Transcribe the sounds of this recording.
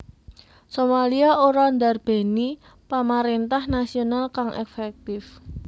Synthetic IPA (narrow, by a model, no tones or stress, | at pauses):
somaliaoɾand̪arb̥e̤ni | pamaɾint̪ahnasionalkaŋʔɛ̰fɛk̚t̪ɪf